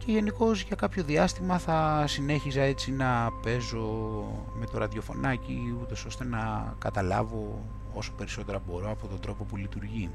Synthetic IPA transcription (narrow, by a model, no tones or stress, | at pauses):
ce̞ʝe̞niko̞zʝɐkɐpço̞ðiɐst̪imɐθɐsine̞çisɐe̞t͡sinɐpe̞zo̞ | me̞t̪o̞ɾɐðjo̞fo̞̰nɐciut̪o̞so̞st̪e̞nɐkɐt̪ɐlɐ̰vo̞ | o̞so̥pe̞ɾiso̞t̪e̞ɾɐbo̞ɾo̞ɐpo̞t̪ond̪ɾo̞po̞pulit̪uɾʝi